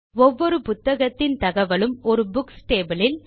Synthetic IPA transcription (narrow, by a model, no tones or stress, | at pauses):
ɔʋːɔɾɯpʊt̪ːɐɣɐt̪ːɪnt̪ɐɣɐʋɐɭɯmɔɾɯbʊksʈeːbɐlɪl